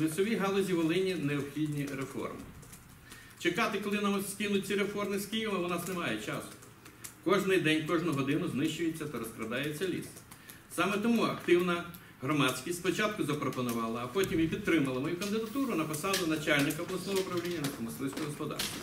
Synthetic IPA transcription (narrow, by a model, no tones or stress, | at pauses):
lʲˠɪsɔʋʲiɦɑlˠɔzʲiʋɔlˠɪnʲineɔbxʲidʲnʲiɾefɔ̰rmɪ̰ | t͡ʃekɑt̪ɪkɔlˠɪnɐmsʲkʲinʊt͡sʲiɾefɔrmɪskʲijimɐʋnɑsnemɑjɛt͡ʃɑsʊ̥ | kɔʒnɪjd̪ɛnʲkɔʒnʊɦɔd̪ɪnʊznɪʃt͡ʃʊjet͡sʲːɐt̪ɐɾɔskɾɐd̪ɑjet͡sʲːɐlʲḭs | sɑmɛt̪ɔmuɐkt̪ɪwnɐ | ɦɾɔmɑsʲkʲisʲspɔt͡ʃɑt̪̚kʊzɐpɾɔpɔnʊʋɑlˠɐːpɔtʲimjipʲid̪t̪ɾɪmɐlˠɐmɔjukɐnd̪ɪd̪ɐt̪uɾʊnɐpɔsɑlˠʊnɐt͡ʃalʲnɪkɐɔblˠɐsnɔɦɔʊpɾɐwlʲinʲːɐnɐsɐmɐslˠɪsʲt̪ʊɦɔspɔd̪ɑ̰rst̪ɐ